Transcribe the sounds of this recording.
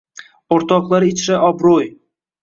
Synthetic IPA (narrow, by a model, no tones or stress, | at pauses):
oɾt̪ɒqlˠaɾɪt͡ʃʰɾaʔɒbɾoj